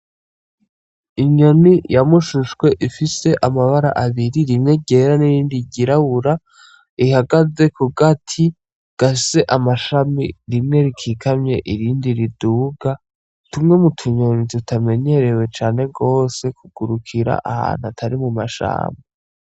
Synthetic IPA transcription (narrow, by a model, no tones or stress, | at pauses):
iɲo̞nijamuʃuʃɡwe̞ʔifise̞ʔamaβaɾa̰ʔaβiɾiɾimŋe̞ɟe̞ɾaniɾiːndiɟiɾaβuɾa | ihaɡaze̞kuɡatʰi | ɡ̥ase̞ʔamaʃamiɾimŋe̞ɾikʰiːkʰamɲe̞ʔiɾiːndiɾiduːɡa | tumŋe̞mutʰuɲo̞nitutame̞ɲe̞ɾe̞we̞t͡ʃaːne̞ɡo̞ːse̞kuɡ̥uɾukʰiɾa̰ʔaha̰ːn̥uatʰaɾimumaʃa̰ːme